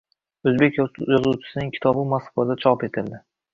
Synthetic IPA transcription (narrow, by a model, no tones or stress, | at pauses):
ɵzbe̞kʲjɒzuwt͡ʃʰɪ̥sɪnɪŋkʲʰɪ̥t̪ʰɒbɪmaskad̪at͡ʃʰɒpe̞t̪ʰɪld̪ɪ